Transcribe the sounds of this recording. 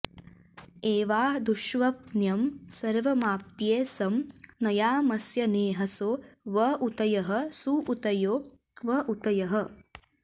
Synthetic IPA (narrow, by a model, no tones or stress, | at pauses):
eːʋaːd̪uʃʋɐp̚njɐmsɐɾʋɐmaːp̚t̪jeːsɐmnɐjaːmɐsjɐneːɦɐsoːʋɐʔut̪ɐjɐɦɐ̆suʔut̪ɐjoː | ʋɐʔut̪ɐjɐɦɐ